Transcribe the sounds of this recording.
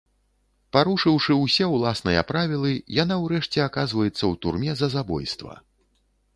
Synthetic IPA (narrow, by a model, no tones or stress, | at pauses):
paɾuʂɨwʂɨwsʲɛwlˠasnɨjɐ̰pɾavʲilˠɨjanawɾɛʂt͡sʲɛakazvɐjɛt̪sːɐwt̪urmʲɛzɐzabɔ̰jst̪vɐ̰